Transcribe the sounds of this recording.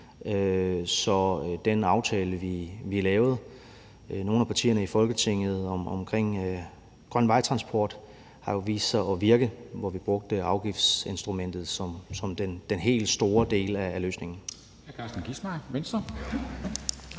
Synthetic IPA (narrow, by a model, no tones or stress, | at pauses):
øsɒ̽d̥enɑ̈ʊt͡sʰɛːləʋiʋiælɛːʊð̞̩ˠ | no̝ːnæpʰɑ̈t͡sʰḭːɐnəifɒ̽lɡ̥ət͡sʰe̝ŋ̰ð̞̩ˠɒmɒ̽mkʰʁeŋ̰ | ɡ̥ʁɶn̰ʋɑ̈ɪt͡sʰʁɑ̈nsb̥ʰɒ̰ːd̥ | hɑ̈jo̝ʋḭːssɑ̈ɪɒ̽ʋiɐɡ̥əðʋɒʋib̥ʁɔ̽ɡ̥̚d̥əɑ̈ʊɡ̥ifd̥se̝nsd̥ʁumen̰d̥ð̞̩ˠsɒ̽msɒ̽md̥end̥enɦe̝̰ːld̥sd̥o̝ːɐd̥e̝̰ːlæːløːsne̝ŋn̩ | kʰɑ̈sd̥n̩ɡ̥ismɑɪʋensd̥ɐ